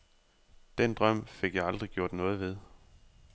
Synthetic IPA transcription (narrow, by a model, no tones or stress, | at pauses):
d̥end̥ʁɶm̰fe̝ɡ̥jɑ̈ɪɑ̈ld̥ʁiɡ̥jo̝ɐ̰d̥nɔ̽ːð̞̩ˠʋe̝ð̞ˠ